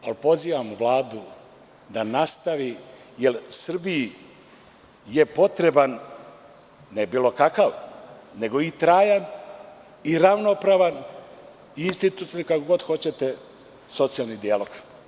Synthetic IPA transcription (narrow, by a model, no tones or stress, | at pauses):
alpo̞ziːʋamʋlˠaːd̪u | d̪anast̪aʋi | jelsr̩biji | jepo̞t̪ɾe̞ban | nebiːlo̞kakaʋne̞ɡo̞it̪ɾaːjan | iɾaʋnopɾaːʋan | inst̪it̪ut̪sakakoɡo̞d̪xo̞t͡ɕe̞t̪e | so̞t̪sijalˠnid̪ialo̞ɡ̥